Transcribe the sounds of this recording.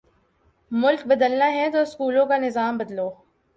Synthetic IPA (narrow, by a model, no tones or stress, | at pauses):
mʊlk̚bɐd̪əlnaɦɛt̪oːskuːlõkanɪzaːmbɐd̪loː